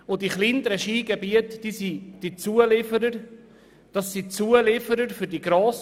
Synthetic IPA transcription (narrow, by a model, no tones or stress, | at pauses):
ʊdiχlind̪əɾəʃiːɡɛbiətd̥isid̥it͡suəlɪfəɾəɾ | d̥ɑsːit͡suəlɪfəɾəɾfʏɾdiɡ̥ɾoːs